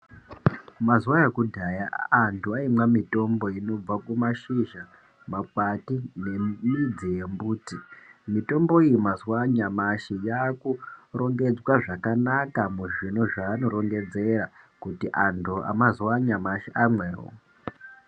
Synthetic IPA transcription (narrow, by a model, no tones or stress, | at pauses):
mazuwajekudʱajaːntʰuaimwamito̞mbo̞ino̞b͡vakumaʃiʒa | makatine̞mid͡zije̞mbuːtimito̞mbo̞ijimazuwaɲamaʃijaːkuro̞ŋɡe̞d͡zwaʐakanakamuʐino̞ʐaːno̞ɾo̞ŋɡe̞d͡ze̞ɾakutiʔantʰuʔa̰mazuwaɲamaʃiʔamweːɦo̰